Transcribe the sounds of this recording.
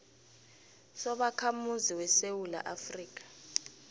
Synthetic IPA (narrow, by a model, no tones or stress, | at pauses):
sɔɓakʰamuziwɛsewula̰ʔafriːk̬ʼḁ